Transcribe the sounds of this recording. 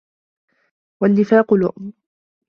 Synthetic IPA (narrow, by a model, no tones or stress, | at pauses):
wanːɪfaːqʊlʊ̰ʔm